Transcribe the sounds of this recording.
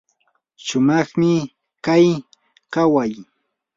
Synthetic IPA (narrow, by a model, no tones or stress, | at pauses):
ʃʊmɑχmɪ | kaj | kawaj